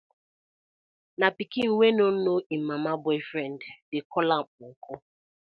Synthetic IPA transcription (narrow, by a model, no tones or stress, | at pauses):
napikiŋ̩ŋʷenonoim̩mːamabɔɪfɾɛnddɪkɔlaŋ̩kʰo